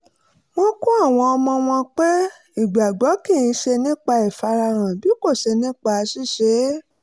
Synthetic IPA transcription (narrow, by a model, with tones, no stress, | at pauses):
wõ˦kũ˦a˦˨w̃ɔ̃˧ɔ˧mɔ̃˧w̃ɔ̃˧k͡pe˦ | i˦˨ɡ͡ba˨ɡ͡bɔ˨˦kĩ˦˨jĩ˧ʃe˧nĩ˦k͡pa˧i˨fa˧ɾa˧ɾ̃ã˨bi˨˦ko˦˨ʃe˧nĩ˦k͡pa˧si˦˨ʃe˨˦